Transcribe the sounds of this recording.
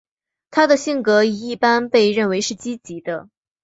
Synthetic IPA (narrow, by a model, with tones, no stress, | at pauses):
t̪ʰa˥d̪ə˨ɕi˥˩ŋkɤ˧˥i˨˩i˥˩pa˥npe˥˧ɪɻə˥˩nwe˧˥ɪʂɻ̩˥˩t͡ɕi˥t͡ɕi˧˥d̪ə˧